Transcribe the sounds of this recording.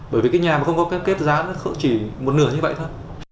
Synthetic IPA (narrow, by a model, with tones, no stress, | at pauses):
ɓəː˧˩jvi˨˩kaː˨˦jɲaː˨˩ma˨˩xə˧wŋ͡mkɔ˨˦ke˦˥p̚ke˦˥t̚zaː˨˦na˨˦xə̰˧˥t͡ɕi˧˩mo˨˩t̚nɨ˧˩əɲɨ˧ə̰˧˨t̪ʰo˧˩j